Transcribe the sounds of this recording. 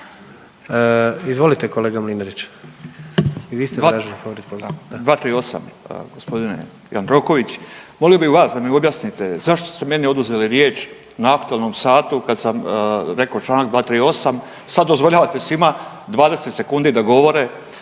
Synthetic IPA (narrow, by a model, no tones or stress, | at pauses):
izʋo̞lit̪ekoleːɡamlineɾit͡ɕ | iʋiːst̪eaɾaʒlipoʋoɾit̪pozd̪ʋaːt̪ɾiːo̞sa̰mɡo̞spo̞d̪ine̞̰ | ja̰nd̪ɾo̞ko̞ʋit͡ɕmo̞lijo̞biʋaːsd̪amio̞bjasnit̪e̞zaʃt̪ost̪e̞me̞nio̞d̪uze̞liɾje̞ːt͡ʃ | naakt̪uelˠno̞msaːt̪ukad̪samɾe̞kaot͡ʃlˠaːnaɡd̪ʋaːt̪ɾiːo̞sam | sad̪ːo̞zʋoʎaːʋat̪e̞sʋima | d̪ʋaːd̪e̞se̞t̪se̞kund̪id̪aɡo̞ʋo̞ɾe